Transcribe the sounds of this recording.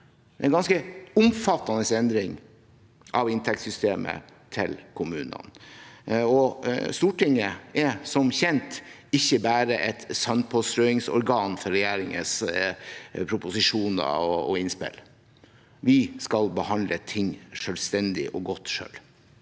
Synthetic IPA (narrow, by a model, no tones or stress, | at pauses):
ɛnɡɑnskəʊmfɑt̪ːɑnəsɛnd̪ɾɪŋ | ʔɑʋɪnt̪ʰɛk̚t̪sʏst̪eːmʔə̰ | t̪ʰɪ̰lkʰʊmʉːnə̰n | ɔst̪uːʈʰɪŋːəɛsɔmçɛnt̪ | ɪçːəbæːɾəʔɛt̪sœnpʰoːst̪ɾœɪŋsɔ̰ɾɡɑːnfɔɾɛjæːɾɪŋə̰s | pʰɾʊpʊsɪʂuːnə̰ɔɔɪnspɪ̰l | ʋɪskɑlbəhɑnd̪lət̪ʰɪŋʂœlst̪ɛnd̪ɪʔɔɡɔt̪ːʂø̰ːl